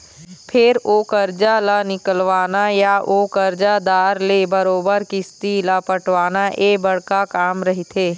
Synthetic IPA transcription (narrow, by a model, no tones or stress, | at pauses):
pʰɪɾoːkəɾd͡ʒalanɪkəlʋaːnajaʔoːkəɾd͡ʒad̪aːɾlebəɾoːbəɾkɪst̪ilapəʈʰʋaːnaʔeːbɐɽkakaːmɾɐɦit̪ʰeː